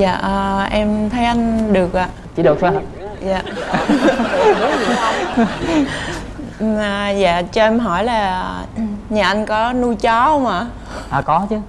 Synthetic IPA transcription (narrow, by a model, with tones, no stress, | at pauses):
za̰ː˧˨ʔəː˨˩ʔɛ˧mt̪ʰə˨˦jʔa˧jŋ̟ɗɨ˨˩ək̚ʔaː˧˨ | t͡ɕḭ˧˦ɗə˨˩k̚t̪ʰːja˧˩ | jaː˨˦˨ | ʔə˨˩za̰ː˧˨t͡ɕɔ˧ʔɛ˧mɦɔ˧˩jlaː˨˩ | ɲaː˨˩ʔa˧jŋkɔ˨˦nu˧jt͡ɕɔ˨˦˧maː˨˩ | ʔaː˨˩kɔ˨˦t͡ɕɨ˨˦